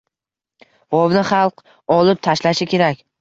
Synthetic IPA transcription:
ɒvnɪχɑlˠq | ɒlɪp̚t̪ʰaʃlaʃɪkʲʰe̞ɾakʲ

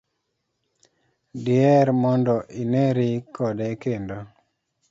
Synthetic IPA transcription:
dɪɛɾmɔndɔʔineɾikʰɔdɛkendo

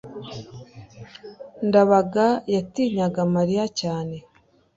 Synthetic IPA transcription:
ndaβaɡajatiːɲaɡamaɾijacaːne̞

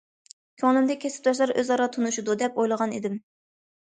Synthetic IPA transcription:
kʲʰøŋlɪmd̪ɛkʲʰɛsɪ̥p̚d̪ɑʃ̬lˠɑɾʔøzɑɾɑt̪ʰunuʃud̪ud̪ɛpojlˠəʁɑnid̪ɪm

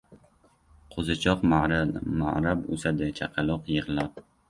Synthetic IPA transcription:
qʰozat͡ʃʰɒqmama̰ɾabʊ̰sad̪at͡ʃʰaqʰɑlˠɒqjɨʁɨlap̚

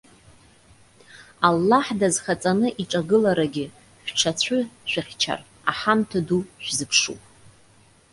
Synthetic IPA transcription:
alːaħdazχat͡sʼanɨʔiʈ͡ʂʼaɡɨlaɾaɡʲɪ | ʃʷᶣʈ͡ʂʰat͡ɕʷʰʊʃʷᶣaχʲt͡ʃʰa̰r | aħamtʰaduʒʷᶣzɨpʰʂṵpʼ

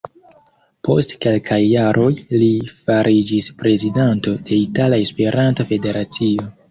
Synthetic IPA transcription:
po̞̰stke̞lkʰajːaɾʔo̞jlifaɾʔid͡ʒispɾe̞zidanto̞d̥e̞italae̞spe̞ɾʔantofe̞de̞ɾat͡sio̞

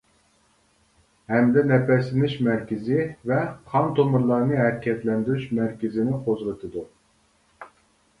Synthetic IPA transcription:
hɛmd̪ɛnɛpɛslɪnɪʃmɛɾkʲɪzɪvɛχʰɑnt̪ʰomuɾlˠɑɾnɨɦɛɾkʲʰɛt̪lɛnd̪yɾyʃmɛɾkʲɪzɪnɪqʰozlˠɨt̪ʰɨd̪u

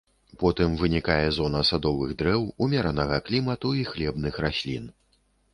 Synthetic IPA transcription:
pɔt̪ɨmvɨnʲikajɛzɔnɐsad̪ɔvɨɣd̪ɾɛwumʲɛɾanɐɣɐklʲimɐt̪uixlʲɛbnɨxrasʲlʲḭn

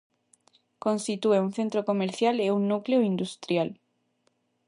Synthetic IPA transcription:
kõnst̪it̪ueuŋθent̪ɾokomeɾθjaleuŋnukleoind̪ust̪ɾjal

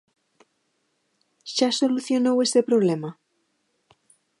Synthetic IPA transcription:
ʃaso̞luθjo̞nowe̞st̪e̞pɾoβlema

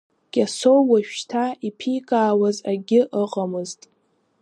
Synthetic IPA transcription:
ɡ̥ʲʼasowwaʃᶣtʰaipʰijkʼaːwazaɡʲɪʔəqʼamɨztʼ

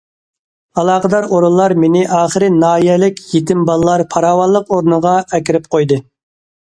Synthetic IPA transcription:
ɑlˠɑːqəd̪ɑɾoɾullˠɑɾmenɪʔɑːχəɾɪnɑːjɛlɪkʲʰjet̪ʰɪmbɑlˠlːˠɑɾpʰɑɾɑːwɑlˠːəqoɾnɨʁɑɛkʲiɾɪp̚qʰojd̪ɨ

